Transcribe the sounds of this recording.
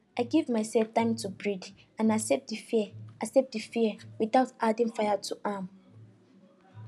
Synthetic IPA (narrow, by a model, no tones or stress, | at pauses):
aɪɡevmaɪsɛlftʰãɪ̃mtʰubɹid | ãnasɛp̚difɛasɛp̚difiɛwiθaʊtadɪ̃nfajatʰuʔãm